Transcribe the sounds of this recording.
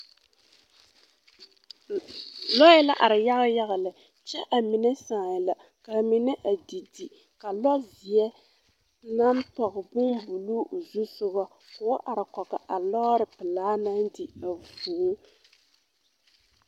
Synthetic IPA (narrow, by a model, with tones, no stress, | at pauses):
lɔ˦jɛ˦la˦ʔa˨ɾɪ˨ja˦ɣa˦ja˦ɣa˨lɨ˨ | t͡ʃɛ˦ʔa˨mi˨nɛ˦saː˨jla˨ | ka˨mi˨nɛ˦ʔa˨di˨di˨ | ka˨lɔ˦zi˨ɛ˦ | na˦m˦pa˨ɣɪ˨bʊ˦mbu˨lu˦˨zu˦sʊ˦ba˦ | kʊ˨˦ʔa˨ɾɪ˨kɔ˨ka˨ʔa˨lɔ˦ɾɨ˨pɨ˨laː˨˦na˦n˦dɪ˨a˨vuː˨˦